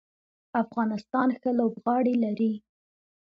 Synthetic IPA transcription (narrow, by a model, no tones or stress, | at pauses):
afɣɑnɪst̪ɑnxəlobɣɑɽelaɾi